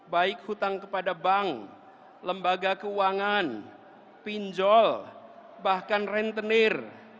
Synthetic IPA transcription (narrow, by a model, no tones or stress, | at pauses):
baɪk̚hut̪aŋkəpadabaŋ | ləmbaɡakəuaŋan | piɲd͡ʒɔlbahkanrɛnt̪ənɪr